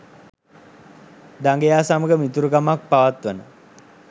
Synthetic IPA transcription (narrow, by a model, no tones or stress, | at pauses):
d̪aŋɡejaːsaməɡəmit̪uɾukamak̚paʋat̪ʋənə